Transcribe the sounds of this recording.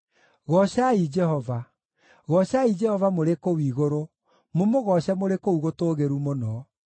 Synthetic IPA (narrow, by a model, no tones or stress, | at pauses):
ɣɔɕaid͡ʒɛhɔva | ɣɔɕaid͡ʒɛhɔvamoɾekowiːɣoɾo | momoɣɔɕɛmoɾekouɣotoːɣeɾumonɔ